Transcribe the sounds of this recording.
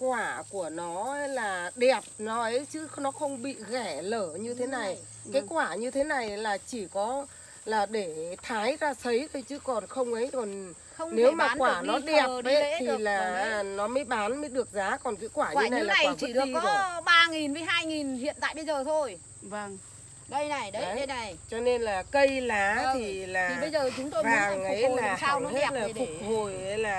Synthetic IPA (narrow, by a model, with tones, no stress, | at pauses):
kwaː˧˩ku˧˩ənɔ˨˦˧laː˨˩ɗɛ˨˩əp̚nɔ˨˦ʔə˨˦jt͡ɕɨ˨˦nɔ˨˦xə˧wŋ͡mɓḭ˧˨ɣɛ˧˩ləː˧˩ɲɨ˧t̪ʰe˨˦na˨˩j | kaː˨˦kwaː˧˩ɲɨ˧t̪ʰe˨˦na˨˩jlaː˨˩t͡ɕi˧˩kɔ˨˦ | laː˨˩ɗe˧˩t̪ʰaː˨˦jzaː˧sə˨˦jt̪ʰə˧˩jt͡ɕɨ˨˦kɔ˨˩nxə˧wŋ͡mʔə˨˦jzo˨˩n | ə˧wŋ͡mne˨˦wmaaː˨˦kwaː˧˩nɔ˨˦ɗɛ˨˩ə˨p̚e˦˨˦t̪ʰi˨˩laː˨˩˨nɔ˨˦mə˨˦jɓaː˨˦nmə˨˦jɗɨ˨˩ək̚zaː˨˦kɔ˨˩nkḭ˧˦kwaː˧˩ɲːɨ˧˩na˧˨˧jlaːa˨˩˨t͡ɕːɗɨ˨˩əi˧kːɓaː˧ŋi˨˩nvə˨˦jɦaː˧jŋi˨˩nhḭ˧˨ənt̪a̰ː˧˨jɓə˧jzəː˨˩t̪ʰo˧j | və˧˩ŋ | ɗə˧jna˨˩jɗə˧˨˦a˨˩jt͡ɕɔ˧ne˧nlaː˨˩kə˧jlaː˨˦t̪ʰi˨˩laː˨˩i˨˩ɓə˧jzəː˨˩t͡ɕʊ˨˦ŋ͡mt̪o˧jaː˨˦˨ŋə˧˨˦jaː˨˧˩saː˧˨˦he˦˧˥t̚laː˨˩fʊ˨˩k̚ho˨˩jhə˧˦jlaː˨˩